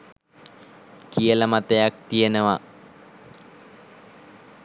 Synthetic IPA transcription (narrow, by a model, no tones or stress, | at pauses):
kijələmat̪ejak̚t̪ijenəʋa